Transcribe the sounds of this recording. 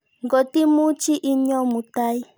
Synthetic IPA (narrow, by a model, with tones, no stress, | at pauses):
ŋɡɔ˨ti˦mu˦t͡ʃi˦ʔi˦ɲɔ˦mu˨ta˦i˦